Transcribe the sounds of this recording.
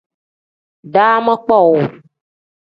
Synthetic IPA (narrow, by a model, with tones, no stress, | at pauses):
ɖa˦mə̃˦k͡pɔ˦˨wo˨